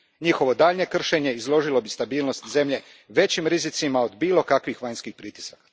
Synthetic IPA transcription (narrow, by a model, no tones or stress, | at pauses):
ɲixo̞ʋo̞d̪aːʎɲe̞kr̩ʃe̞ɲe̞izlˠo̞ʒilo̞bist̪abiːlno̞st̪ze̞mʎe̞ | ʋe̞t͡ɕimɾizit̪simaod̪biːlo̞kakʋixʋaɲskixpɾit̪i̥sakḁ